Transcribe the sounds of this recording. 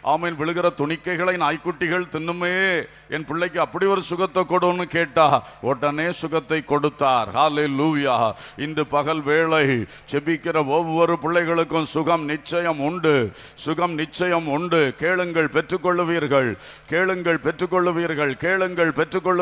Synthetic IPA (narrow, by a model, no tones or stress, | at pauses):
ʔa̰ːmeːnʋɪɭɯɣɪɾɐt̪ʊɳɪkːɐɪɣɐɭɐɪnaːjkːʊʈːɪɣɐɭt̪ɪnːɯmɐjeː | ɛnpɪɭːɐɪk̬ːɯɐpːɐɽiɔɾɯsʊɣɐt̪ːɐkːɔɽonːɯkeːʈːaː | ɔɽɐneːsʊɣɐt̪ːɐɪkːɔɽɯt̪ːaːɾhaːleluːjaːɪnd̪ɯpɐɣɐlʋeːɭɐɪt͡ʃɛbɪkːɪrɐɔʋːɔɾɯpɪɭːɐɪɣɐɭɯkːɯmsʊɣɐmnɪt͡ʃːɐjɐmʊɳɖɯ | sʊɣɐmnɪt͡ʃːɐjɐmʊɳɖɯkeːɭɯŋɡɐɭpɛʈrɯkːɔɭːɯʋiːɾɣɐɭkeːɭɯŋɡɐɭpɛʈrɯkːɔɭːɯʋiːɾɣɐɭkeːɭɯŋɡɐɭpɛtrɯkːɔɭːɯ